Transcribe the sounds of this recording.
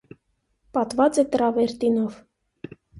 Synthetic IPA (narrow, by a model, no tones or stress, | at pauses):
pɑt̪vɑt͡sɛt̪əɾɑvɛɾt̪inɔv